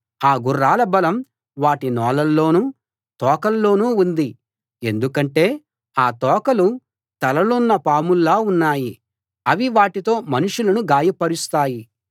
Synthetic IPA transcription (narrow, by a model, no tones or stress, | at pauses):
aːɡurːaːlɐbɐlɐm | ʋaːʈinɔːlɐlːo̞ːnuː | t̪ɔːkɐlːo̞ːnuːund̪i | e̞̰nd̪ukɐɳʈe̞ː | aːt̪ɔːkɐlu | t̪ɐlɐlunːɐpaːmulːaːunːaːji | ɐʋiʋaːʈit̪o̞ːmɐnuʂulɐnuɡaːjɐpɐɾust̪aːji